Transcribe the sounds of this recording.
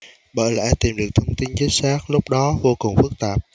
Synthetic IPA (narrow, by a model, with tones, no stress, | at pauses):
ɓə̰ː˧˩jlɛ̰ː˧˥t̪i˨˩mɗɨ˨˩ək̚t̪ʰə˧wŋ͡mt̪i˨˧nt͡ɕi˨˦n̚saː˦˥k̚lʊ˦˥k͡p̚ɗɔ˨˦vo˧kʊ˨˩ŋ͡mfɨ˦˥k̚t̪aː˨˩p̚